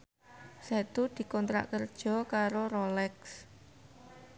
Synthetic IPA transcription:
sɛt̪ud̪̥i̤kɔnt̪ɾa̰ʔkərd̥ʒ̥ɔ̤kaɾoɾolɛks

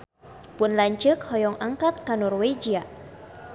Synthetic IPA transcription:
pʊnlaɲt͡ʃɨkhɔjɔŋaŋkat̪̚kanɔrwed͡ʒia

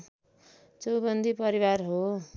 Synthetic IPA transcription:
t͡sʌwbʌnd̪ʱipʌɾiwarɦo

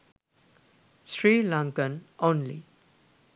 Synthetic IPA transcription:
sɹilãŋkə̃nʔõnlḭ

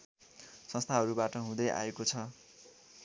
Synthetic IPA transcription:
sʌ̃nst̪ʰaɦʌɾubaʈʌɦũd̪ʌjʔa̰ekot͡sʰʌ

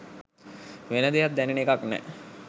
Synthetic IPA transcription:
ʋenəd̪ejat̪̚d̪ɛnenekaknɛ̰

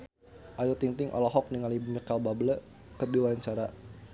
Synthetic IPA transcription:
ʔajɔt̪iŋt̪ɪŋʔɔ̰lɔɦɔk̚niŋalimikalbablə | kərdiwaɲt͡ʃaɾa

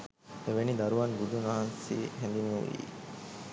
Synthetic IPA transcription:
eʋenid̪ɐɾuʋɐnbud̪unaɦansḭɦend̪inuʋḭ

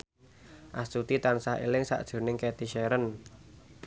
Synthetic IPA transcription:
ʔast̪ut̪it̪ansahḛlɪŋsa̰ʔd̥ʒ̥ṳnɪŋkɛt̪iʃɛɾən

